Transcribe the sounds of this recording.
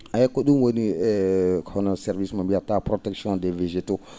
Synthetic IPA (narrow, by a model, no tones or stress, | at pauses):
ajɛkːoɗũnwoniɛkɔnɔsɛɾvismambiatapɾotɛksjɔ̃dɛveʒeto